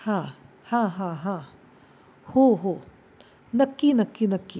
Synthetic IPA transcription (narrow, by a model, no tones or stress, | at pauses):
hãː | hãːɦãɦã | hoɦo | nɐkːinɐkːinɐkːi